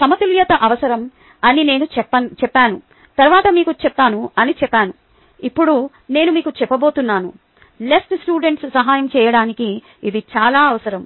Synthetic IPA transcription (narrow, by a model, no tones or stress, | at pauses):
sɐmɐt̪uljɐt̪ɐʔɐʋɐsɐɾɐm | ɐnine̞ːnuɐt͡ʃɛpːaːnu | t̪ɐɾʋaːt̪ɐmiːkut͡ʃɛpːaːnuɐnit͡ʃɛpːaːnu | ipːuɽu | ne̞ːnumiːkut͡ʃɛpːɐbo̞ːt̪unːaːnṵ | lesʈsʈuːɖeɳʈssɐɦaːjɐmt͡ʃɛːjɐɽaːnikiː | d̪it͡ʃaːlaːɐʋɐsɐɾɐm